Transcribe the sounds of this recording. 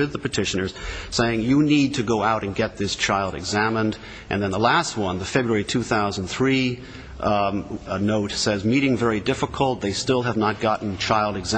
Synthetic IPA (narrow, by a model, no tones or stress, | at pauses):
ɪðəpɨtʰɪʃɨnə˞z̥seɪɪ̃ŋjɨnid̚tʰɨɡoʊaʊɾɨ̃nɡɛt̪̚ðɪst͡ʃʰaɪlˠdɨ̰ɡzæmə̃nd | ʔɨ̰̃nðɨ̃nðəlæst̚wʌ̃nðɨfɛbɹəɛɹitʰʉθaʊzən̩θɹi | ənoʊtsɛzmiɾɪ̃ŋvɛɹidɪfəkʰl̩ˠt̪̚ðeɪstɪlˠəvnət̚ɡ̥ɑʔn̩t͡ʃʰaɪlˠdɨɡz